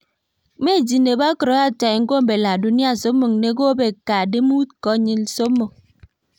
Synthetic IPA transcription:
me˦˨d͡ʒi˨ne˨ba˦kɾo˨˦a˦ta˨ŋ̩˦ko˦m̩˦be˨la˨du˨˦ni˦a˦˨so˦pmo˨ŋ˨ne˦ɡo˦be˨ka˨de˦mu˦t̚kɔ˦ɲi˦lso˦pmo˨ŋ

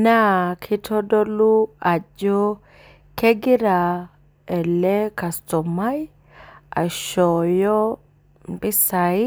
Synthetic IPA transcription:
na˦kʰɪ˦t̪ʰɔ˦dɔ˦lːʊ˦a˨d͡ʒɔ˦ | kʰɛ˦ɡɪ˦ɾa˨ | ɛ˨lːɛ˦kɐ˨stɔ˨mːa˦j | a̰˨ʃɔ˨jɔ˦ | mbɪ˦sa˨j

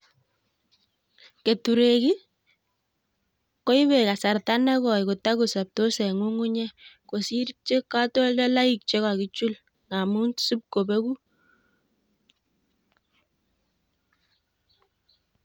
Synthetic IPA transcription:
ke˨tu˨ɾe˨ki˦ | ko˦i˦βe˨ka˨sa˨rta˦nɛ˦kɔ˨jku˨ta˦ku˨sa˨p̚to˦sɛ˨ŋu˦ŋu˦ɲɛ˦ko˨si˦ɾt͡ʃe˦ka˦tɔ˦ldɛ˦la˦i˨k̚t͡ʃe˦ka˨ki˦t͡ʃu˦l | ŋa˨mu˦nsu˦p̚ko˨be˦ku˦

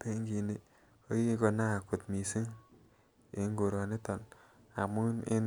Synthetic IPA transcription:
pe˦ŋɡi˨ne˦˨ | o˦ji˦ko˨na˦˨ku˨tmi˨si˦ŋ | e˨˦ŋɡo˨ɾɔ˨ne˦tɔ˨na̰˨mu˦ne˦n

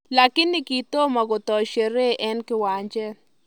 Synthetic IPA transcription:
la˨kɪ˦nːikit̪o˦ma˨ɡo˨t̪ɔ˨ʃe˨ɾe˦ʔɛ˦nkɪ˦wa˨ɲd͡ʒɛ˦

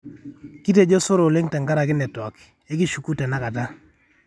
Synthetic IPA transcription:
ki˦te˨d͡ʒo˦sʊ˦ɾo˨le˦ŋtɛ˨ŋɡa˦ɾa˨k̬ɪ˦nɛ˨tɔ˨k | e˦ki˦˨ʃu˨ku˦tɛ˨na˦ka˨ta˦

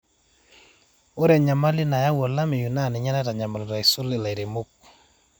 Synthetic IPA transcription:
o˦ɾɛ˨ɲa˨ma˦lɪ˦na˨ja˦wɔ˨la˦mɪ˨ju˨na˦˨nɪ˨ɲa˦nɛ˦ta˨ɲa˨ma˨lo˨ta˨i˨sʊ˦lɪ˨la˨i˨ɾe˨mu˦k̚

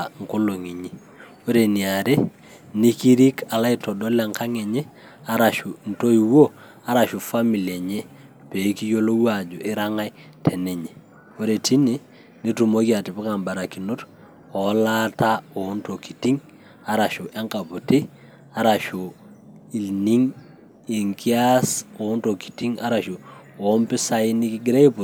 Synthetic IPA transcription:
ŋ˨ko˦lo˨ŋi˨ɲi˦ | o˦ɾe˨ni˨a˨ɾe˦ | ni˦ki˦ɾi˦kʰa˨la˦i˦to˨do˦la˨ŋka˦ŋe˨ɲɛ˦ | a˦ɾa˨ʃu˨n̩˨to˦i˨wo˦ | a˦ɾa˨ʃu˨fa˦mi˨li˨e˨ɲe˦ | pe˨˦ki˦jo˦lo˦wa˨d͡ʒʊ˨ʔɪ˦ɾa˦ŋa˦jtʰɛ˨ne˨ɲe˨ | o˦ɾe˨ti˦ni˨ | ni˦tu˨mo˦ki˦a˨ti˨pu˦ka˨mba˨ɾa˨ki˨nu˦t | o˨˦la˦ta˦o˨˦nto˨ki˨ti˦ŋ | a˦ɾa˨ʃu˨ʔe˦ŋka˨pu˨ti˦ | a˦ɾa˨ʃu˨ | i˨lni˦ŋ | i˨ŋki˦a˦so˨˦nto˨ki̥˨ti˦ŋa˦ɾa˨ʃu˨o˦mpi˦sa˦i˦ni˦ki˦ɡɾe˦pu˨

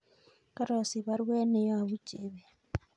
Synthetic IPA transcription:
ka˦ɾo˨si˨βa˦ɾwe˦ne˨ja˦βu˦d͡ʒeβe˦

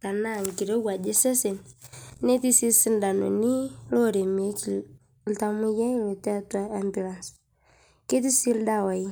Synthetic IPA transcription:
ta˨na˦˨ŋ˨ki˨ɾe˦ɡa˨d͡ʒe˦se˦se˨nne˦ti˦si˦si˦nda˨no̰˨ni˦lo˦˨ɾe˨m˨e˦ki˨l | lta˦mu˦jɛ˦˨le˨tɛ˦ta˦a˦mbi˦˨la˨ns | ke˦t̬i˦si˦lda˦˨wa˨i˦

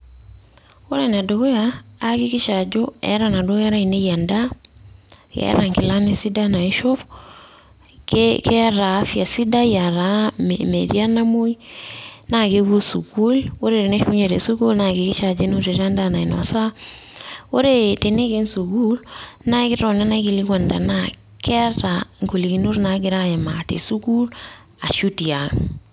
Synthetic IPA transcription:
o˦ɾa˦˨na˨do˨ko˦jaː˨˦kɪ˦ki˦ʃa˨d͡ʒo˦ɛ̰˦ɾa˨na˨do˦ɛ˦ɾa˦i˨ne˦ja˨nda˦ | kɛ̰˦ɾa˨ŋkɪ˨la˦ne˦si˦da˦na˨i˦ʃo˦f | kke˦ɾa˨˦fja˨si˦da˦ja˨ɾa˨˦mmḛ˨ɾia˦na˦mo˦i | na˦ke˦ɡu˦su˨ku˦lwo˦ɾe˨ɾe˨ne˦ʃu˦ɲe˨ɾe˨su˦ku˦lna˨ɡe˨kɪ˦t͡ʃa˨d͡ʒe˦nu˦ɾe˨ɾa˦nda˦na˨i˨nɔ̰˨sa˦ | wo˦ɾe˦te˨ne˦ke˦nsu˨ɡu˦lna˦kɪ˦ɔ˨ne˦na˦ki˨li˦ɡwa˨nda̰˨na | kɛ˦ɾaŋko˨li˨ki˨nu˦ɾna˨˦ɡɪ˦ɾa˦ja˨ma˨tḛ˨su˦ku˦l | a̰˨ʃu˦ti˨a˨ŋ

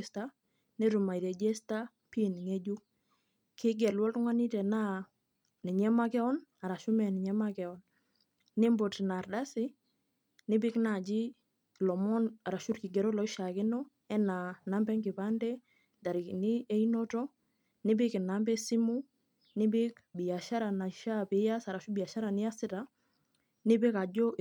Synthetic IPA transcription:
sta˦ | ne˦ɾu˨ma˨i˨ɾɛ˨d͡ʒɛ˦sta˦ | pi˦˨ni˨ŋe˦d͡ʒu˦ | kɪ˦ɡɛ˨lwɔ˦ltŋwa˦ni˦tɛ˨na˦ | ni˨ɲɛ˦ma˦kɛ˦ɔ˦na˨ɾa˨ʃu˦mɛ˨nɪ˨ɲɛ˦ma˦kɛ˨ɔ˨n | nɪ˦mbo˨tna˨rda˦sɪ˦ | nɪ˦bɪ˦kna˨d͡ʒi˦ | lɔ˨mɔ˦na˨ɾa˨ʃu˦ɾki˨ɡɛ˨ɾɔ˦lɔ˨ɪ˦ʃa˨kɪ˦nɔ˦ | ɛ˦na˨na˦mbɛ˦ŋɡɪ˨pa˦ndɛ˦ | da˨ɾɪ˨knɪ˦e˦inɔ˦tɔ˦ | nɪ˦bɪ˦kɪ˨na˨˦mbɛ˦si˦mu˦ | nɪ˦bɪ˦kbɪ˨ja˨ʃa˦ɾa˨na˨ʃa˦pɪ˨˦ja˦sa˨ɾa˨ʃu˦bɪ˨a˨ʃa˦ɾa˨nɪ˦a˦sɪ˦ta˦ | nɪ˦bɪ˦ka˨d͡ʒɔ˦˨

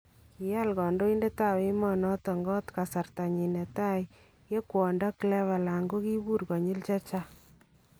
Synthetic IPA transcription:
i˨ja˦˨lkɔ˨ndo˦i˦nde˦ta˦˨wɪ˦mɔ˦˨nɔ˦tɔ˨ŋɡɔ˦tka˨sa˨rta˨ɲi˨ne˨ta˦j | je˦kwɔ˨nda˦klɛ˦βa˨la˨ŋɡo˦ki˦bu˦ɾɡɔ˨ɲi˦lt͡ʃa˦t͡ʃa˦

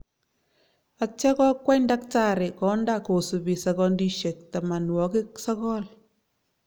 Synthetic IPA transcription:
a˨t͡ʃɛ˦kɔ˦kwɛ˦nda˦k̚ta˦˨ɾe˨kɔ˨˦nda˦˨ko˨su˨bi˨sa˨kɔ˦ndi˦ʃe˨k̚ta˨ma˨nwɔ˨kɪ˦ksa˦kɔ˦l

